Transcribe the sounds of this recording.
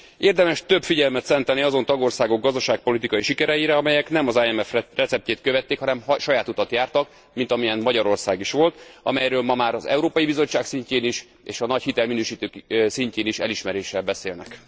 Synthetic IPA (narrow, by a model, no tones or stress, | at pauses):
ʔeːrd̪ɛmɛʃt̪ø̞bfiɟɛlmɛt̪sɛnt̪ɛlniɒzo̞nt̪ɒɡo̞rsaːɡo̞ɡːɒzd̪ɒʃaːk̚po̞lit̪ikɒjiʃikɛɾɛjiɾɛɒmɛjɛknɛmɒzaɛmɛfrɛt̪sɛp̚ceːt̪køvɛt̪ːeːkhɒnɛmɦʃɒjaːt̪ut̪ɒt̪jaːrt̪ɒk | mint̪ɒmijɛnmɒɟɒɾo̞rsaːɡiʃʋo̞lt̪ɒ̰mɛjɾøːlmɒmaːɾɒzɛ̰uɾoːpɒjibizo̞t͡ʃːaːksiɲceːniʃ | eːʃɒnɒchit̪ɛlminøːʃiːt̪øːksiɲceːniʃɛliʃmɛɾeːʃɛlbɛseːlnɛ̰k